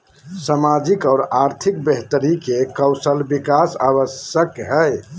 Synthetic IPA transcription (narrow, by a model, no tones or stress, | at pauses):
samad͡ʒikɔːɾaɾt̪ʰik̚beɦt̪əɾikekəwsəlbikasa̰bəsjəkɦɛj